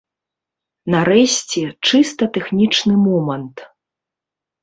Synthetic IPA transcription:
naɾɛsʲt͡sʲɛt͡ʂɨst̪ɐt̪ɛxnʲit͡ʂnɨmɔmɐnt̪

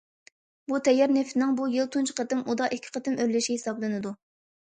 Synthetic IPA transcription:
but̪ʰɛjɑɾnɪft̪ɪnɪŋbujɨlˠt̪ʰunt͡ʃʰɪ̥qʰət̪ɪmʔud̪ɑʔikʲʰːɪ̥qʰət̪ɪmøɾlɪʃʲihɪsɑblˠɨnɨd̪u

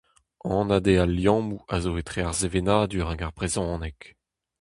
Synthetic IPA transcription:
ɑ̃nad̪ealjɑ̃ːmuazoet̪χeaʁzevenaːd̪yʁɛ̃ɡaʁpʁezɔ̃ːnɛk

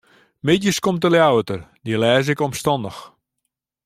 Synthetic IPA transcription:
mɪdjəskomtəljawətərdilɛːzɪkɔmstɔndəx

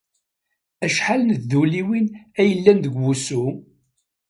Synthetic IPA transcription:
æʃħalənððuliwinæjəlːænðəɡːusu

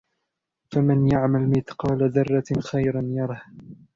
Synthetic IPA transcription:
famɪnjaʕmalmɪt̪qɑːlaðɑrˤːɑxajɾanjɑɾˤɑh

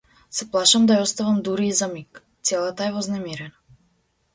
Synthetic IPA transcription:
sɛplˠaʃamd̪ajɔst̪avamd̪uɾiːzamik | t̪sɛlˠat̪aɛvɔznamiɾɛna

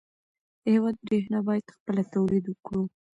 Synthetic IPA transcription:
ewɑd̪̚ɾeɦnɑbɑjad̪̥xpəlat̪owled̪ukɽu

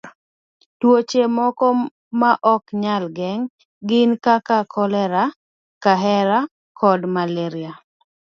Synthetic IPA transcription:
twot͡ʃemɔkɔ | maʔɔkɲalɡɛŋ | ɡɪnkakakʰɔlɛɾa | kaɦɛɾa | kʰɔdmaleɾia

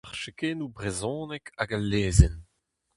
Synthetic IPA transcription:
ʁʃekeːnubʁezɔ̃ːnɛkʰaɡalːeːzɛn

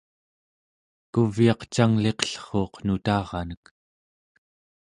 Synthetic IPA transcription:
kuvjɑqt͡ʃaŋle̞qʌ̥ɬχo̞ːqnut̪ɑːʁɑnək

